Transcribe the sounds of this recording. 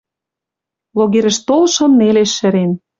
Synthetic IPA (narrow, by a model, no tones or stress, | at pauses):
loɣeɾə̆ʃt̪olʃɤ̆nːeleʃːɘ̆ɾen